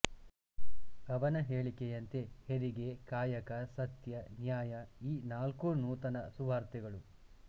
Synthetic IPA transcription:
ɐʋɐnɐɦeːɭikejɐnt̪e̞heɾiɡe̞kaːjɐkɐsɐt̪jɐnjaːjɐiːnaːlkunuːt̪ɐnɐsuʋaːɾt̪ɛɡɐɭu

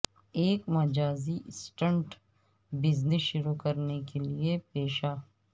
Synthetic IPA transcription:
eːkmɐd͡ʒaːziɪsʈə̃ɳʈ | bɪznɪsʃʊɾukɐɾnekeliepeːʃaː

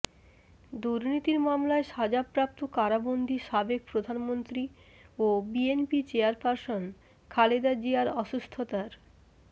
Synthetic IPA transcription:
d̪uɾnit̪iɾmamlaeʃad͡ʑapːɾap̚t̪okaɾabond̪ʱiʃabek̚pɾod̪ʱanmont̪ɾi | obienpit͡ɕeaɾpaɾson | kʰaled̪ad͡ʑiaɾɔʃust̪ʰot̪aɾ

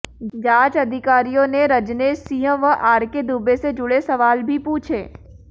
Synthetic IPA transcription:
d͡ʒaːt͡ʃɐd̪ʱɪkaːɾijõneɾɐd͡ʒneːsijə̃ʋəʔaːɾked̪ubesed͡ʒʊɽesɐʋaːlbʱipuːt͡ʃʰeː

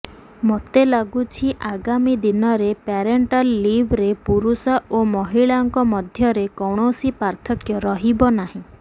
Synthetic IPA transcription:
mot̪elaɡut͡ʃʰiʔaɡamid̪inɔɾepaɾeɳʈalːibʱɾepuɾusɔʔomɔɦiɭaɔŋkɔmɔd̪ʱjɔɾekɔwɽ̃osipaɾt̪ʰɔkjɔɾɔɦibɔnaɦĩ

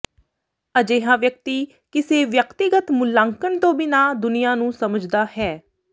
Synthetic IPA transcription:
əd͡ʒeːɦãːʋjək̚t̪iː | kɪseːʋjəkt̪ɪɡət̪mʊlːãːŋkəɳt̪õːbɪnaːd̪ʊnɪjãːnũːsəməd͡ʒd̪aːhɛː

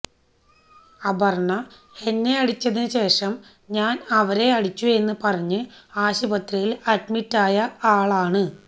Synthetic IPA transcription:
ɐbɐrɳɐ | e̞nːe̞ɐɽit͡ɕːɐðinɨɕe̞ːʂɐm | ɲaːnɐʋɐɾe̞ɐɽit͡ɕːue̞nːɨpɐrɐɲːɨaːɕibɐt̪rijilɐdmitːaːjɐaːɭaːɳɨ

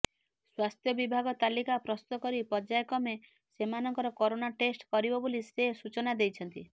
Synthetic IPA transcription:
swast̪ʰjɔbibʱaɡɔt̪alikapɾɔst̪ɔkɔɾipɔd͡ʒajɔkɔme | semanɔŋkɔɾɔkɔɾonaʈesʈkɔɾibɔbolisesut͡ʃɔnad̪ejt͡ʃʰɔnt̪i

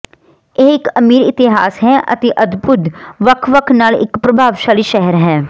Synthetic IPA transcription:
eːɪkəmiːɾɪt̪ɪɦa̰ːsɦɛːʔə̰t̪eːʔəd̪bʊd̪ʋəkʰʋəkʰnaːlɪ̰kpɾəbʱaːʋʃaːliːʃɛɦɛɾɦɛ̃ː

